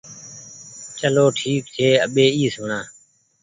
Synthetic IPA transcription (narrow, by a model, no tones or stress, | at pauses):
t͡ʃəloːʈʰiːk̚t̪ʰeːə̰ɓeːiːsʊɳãː